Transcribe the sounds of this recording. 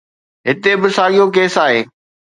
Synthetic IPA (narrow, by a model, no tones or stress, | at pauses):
ɦɪt̪ebɪsaːɠijokeːsaːɦeː